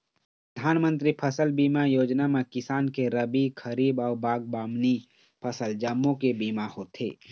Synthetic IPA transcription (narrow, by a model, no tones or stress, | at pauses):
pɾɾəd̪ʱaːnmə̃nt̪ɾipʰəsəlbiːmajoːd͡ʒnamẽkɪsaːnkeɾəbikʰəɾiːbɔːɾbaːɡ̚baːmni | pʰəsəld͡ʒəmːõkebiːmahoːt̪ḛː